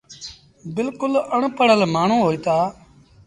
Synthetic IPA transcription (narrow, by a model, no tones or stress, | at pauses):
bɪlkʊləɳpəɳəlmaːɳ̤ũːɦoːiːt̪aː